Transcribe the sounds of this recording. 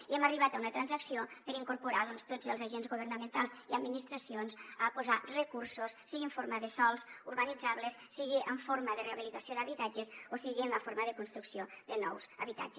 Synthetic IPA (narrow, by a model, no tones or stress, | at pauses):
iɛməriβ̞at̪aunət̪ɾanzəksiopəɾiŋkuɾpuɾaðɔnst̪od͡zəlzaʒenzɣuβ̞əɾnəmənt̪alˠziəd̪minist̪ɾəsionzəpuzarəkuɾsussːiɣiəɱfoɾməðəsɔlˠsuɾβənid͡zaβləsːiɣiʔəɱfoɾməðəreaβilit̪əsioðəβit̪ad͡ʒəsosiɣiənləfoɾməðəkunst̪ɾuksioðənɔwzəβit̪a̰d͡ʒə